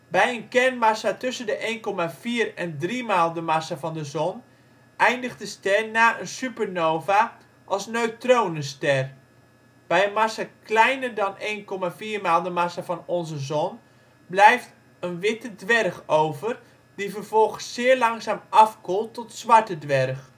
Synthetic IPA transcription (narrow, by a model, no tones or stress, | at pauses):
bɛjənkɛrnmasatɵsəndəʔejnkɔmav̥iːrɛndrimaːlˠdəmasavɑndəzɔn | ʔɛjndəχtdəstɛrnaːʔənsypərnowva | ʔɑlˠsnøɥtrownəstɛr | b̥ɛjənmasaklɛjnərdɑnejnkɔmaːviːrmaːlˠdəmasavɑnɔnzəzɔn | blɛjft | ənʋɪtədʋɛrχowvər | d̥ivərv̥ɔlˠχəsːɪːɹlɑŋszaːmɑfkɔlˠtːɔtsʋɑɹtədʋɛrχ